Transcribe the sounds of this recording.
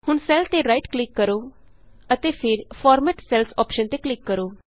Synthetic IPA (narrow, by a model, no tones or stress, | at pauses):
hʊɳsɛːlt̪eːɾaːiʈklɪkːəɾoː | ət̪eːpʰɪɾpʰɔːɾmɛːʈsɛlsɔːpʃənt̪eːklɪkːəɾoː